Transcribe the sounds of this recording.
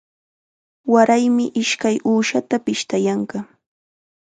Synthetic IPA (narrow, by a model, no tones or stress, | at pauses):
waɾajmɪʔɪʃkajuːʃat̪apɪʃt̪ajaɑɴɢɑ